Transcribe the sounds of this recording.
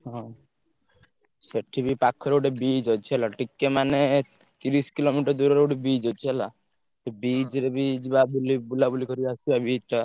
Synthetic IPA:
ɦɔ̃ | seʈʰibipakʰːɔɾeuʈebid͡ʒɔt͡ʃʰielaʈikːemane | t̪iɾiskilomiʈɔɾd̪uɾɔɾeuʈebid͡ʒɔt͡ʃʰɛla | ebid͡ʒɾebid͡ʒbabulibulabulikɔɾiasibabid͡ʒɾa

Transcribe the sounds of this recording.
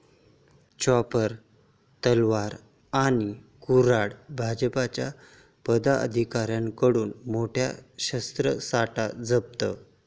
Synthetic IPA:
t͡ɕapəɾ | t̪əlʋaɾ | anikuɾaɽbʱad͡ʑəpat͡ɕja | pəd̪aə̰d̪ʱikaɾjankəɽuːnmoʈʰja̰ɕəst̪ɾəsaʈad͡zəb̚t̪ə

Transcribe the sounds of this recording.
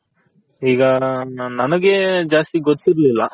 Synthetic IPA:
iːɡɐnɐnɐɡed͡ʒaːst̪iɡot̪ːiɾlilːɐ

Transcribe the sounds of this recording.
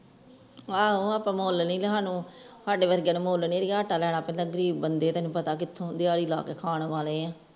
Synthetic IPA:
aːoaːpãːmoːlnĩːleɦaːnũːsaːɖeːʋəɾɡjaːnẽːmoːlneːɾiːaəʈaːlɛːɽ̃aːpɛ̃ːnd̪aːɡəɾiːbːənd̪eːt̪ɛ̃ːnũːpət̪aːkɪt̪ʰːõːd̪ɪjaːɽiːla̰ːkeːkʰaːɳʋaːleːãː

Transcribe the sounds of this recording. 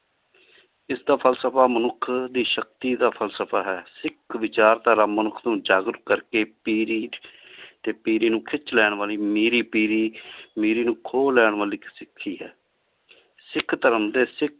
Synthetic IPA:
ɪsd̪aːpʰəlsəpʰaːmənʊkʰd̪iːʃək̚t̪iːd̪aːpʰəlsəpʰaːɦɛːsɪkʰʋɪt͡ʃaːɾt̪aːɾaːmənʊkʰd̪ũːd͡ʒaːɡɾkəɾkeːpiːɾiːt̪eːpiːɾiːnũːkʰɪt͡ʃlɛːɳ̃ʋaːliːmeːɾiːpiːɾiːmeːɾiːnũːkʰoːlːɛːɳʋaːliːsɪkʰːiːɦɛː | sɪkʰːt̪əɾəmd̪eːsɪk̚ʰ

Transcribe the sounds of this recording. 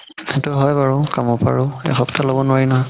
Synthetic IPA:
ɛtʊɦɔjbaɹʊkamɔpa̰ɹʊɛ̰xɔptʰalobɔnʊwaɹinɔɦɔj

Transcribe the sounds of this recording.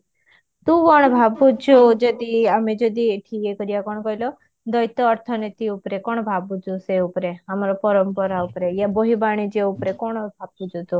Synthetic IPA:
t̪ũʋɔɳ̃bʱabut͡ʃʰud͡ʒɔd̪iamed͡ʒɔd̪iʈʰikekɔɾijakɔɽ̃kɔilɔ | d̪ɔjt̪ɔːɾt̪ʰɔnit̪iupɾekɔɳ̃bʱabud͡ʒuseupɾeamaɾopɔɾɔmpɔɾaupɾejaboɦibaɽ̃id͡ʒeupɾekɔɽ̃bʱab̚ud͡ʒut̪u

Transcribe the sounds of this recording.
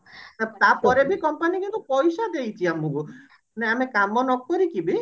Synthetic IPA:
sat̪apɔɾebikɔmpanikint̪upɔjsad̪ejt͡ʃʰiamuku | neamekamɔnɔkɔɾikibi

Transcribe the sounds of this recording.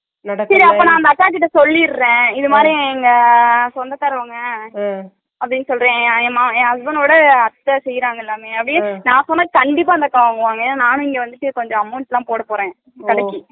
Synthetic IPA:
sɐɾiɐpːoːnãːɐnd̪ɐʈːãːkɪʈːɐsɔlːiɾɯɾẽːɪðɯmaːd̪ɾiɛŋɡɐsɔnd̪ɐt̪ɐɾɯʋaŋɡɐ | ɐpːɐɽɪnːɐsɔlɾẽːmaːẽːɦɐsbɐnoːɽɐɐt̪ːɐsɛjːɾaːŋɡɐɪlːaːmeːɐpːɐɽɪnãːsɔnːaːkɐɳɖɪpːaːɐnd̪ɐkːaʋaːŋɡɯʋaːŋɡɐɛnːaːnaːnʊ̃ɪŋɡeːʋɐnd̪ɯʈːɯkɔɲd͡ʒɔ̃ɐmːʊːnʈlːãːpoːɽɐpoːɾẽː | kɐɽɐkːɯ

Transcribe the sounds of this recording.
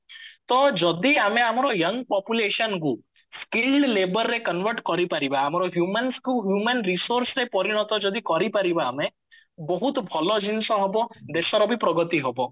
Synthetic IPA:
t̪ɔd͡ʒɔd̪iameamɔɾɔjəŋɡpɔpjuleʃɔnku | skilɖlebəɾːekənʋəɾʈkɔɾipaɾibaːmɔɾɔɦjumanskuɦjumanɾisoɾsɾepɔɾiɽ̃ɔt̪ɔd͡ʒɔd̪ikɔɾipaɾibaːme | bɔɦut̪bʱɔlɔd͡ʒinsɔ̃ɦɔbɔd̪esɔɾɔbʱipɾɔɡɔt̪iɦɔbɔ

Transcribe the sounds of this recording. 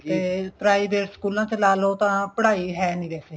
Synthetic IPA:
t̪eːpɾaːiːbeːʈskuːlãːt̪eːlaːlɦoːt̪ãːpəɽaːiːɦɛːnĩːʋɛːseː

